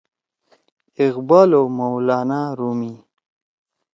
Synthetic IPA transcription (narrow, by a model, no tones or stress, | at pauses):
ɪɣbaːlomawlaːnaɾumi